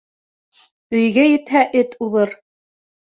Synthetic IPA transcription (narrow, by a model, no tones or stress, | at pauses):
ɵ̆jɡæjɘ̆t̪hæʔɘt̪uðɤɾ